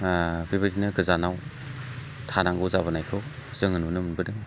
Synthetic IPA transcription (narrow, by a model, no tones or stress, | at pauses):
biβɯdinɯɡɯzanaw | tʰanaŋɡɯzaβɯnajkʰɯwz̥ɯŋɯnunɯmbɯdɯŋ